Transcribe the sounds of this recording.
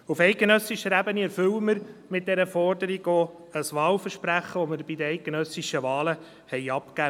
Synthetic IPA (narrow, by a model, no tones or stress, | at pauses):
ufɛɪt̚ɡ̥enœsiʃəɾæbəniɛɾfʏwəməɾmɪt̪̚d̥̪ɛɾəfɔrd̪əɾiɡo | əsʋɑːlfəɾʃpɾæχəʋɔməɾbid̪əɛɪt̚ɡ̥enœsiʃəʋɑːlə | hɛɪɑpkæ